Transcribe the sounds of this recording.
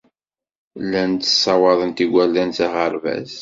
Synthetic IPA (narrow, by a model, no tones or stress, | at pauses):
lːænt̪ə̥sˤːɑwɑðˤənt̪iɡʷælːænθaʁəɾvæ̰z